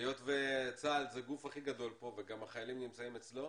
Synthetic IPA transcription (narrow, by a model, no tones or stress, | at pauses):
jo̞tvet͡saːlzeɡufhaχiɡad̪o̞lpo̞veɡamaχajalimnimt͡saimet͡slo̞